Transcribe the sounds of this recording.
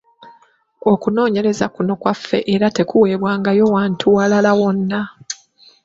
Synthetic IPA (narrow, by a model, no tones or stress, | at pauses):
o̞kuno̞ːɲe̞ɾe̞zakuno̞kwafːe̞̰ʔeɾate̞kuwe̞ːβwaːŋɡajo̞waːntʰuwalalawo̞nːa